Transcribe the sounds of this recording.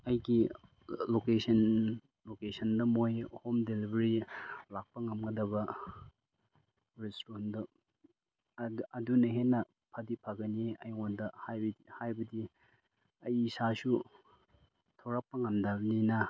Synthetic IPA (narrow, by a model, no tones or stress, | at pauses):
ɐjɡi | lokesɐn | lokesɐndɐmojhomdelibɐɾilak̚pɐŋɐmɡɐdɐbɐ | ɾestondɐ | ɐdunɐɦenːɐ | pʰɐdipʰaɡɐniɐjŋondɐhajihajbɐdi | ɐjːsasu | tʰawɾak̚pɐŋɐmdaninɐ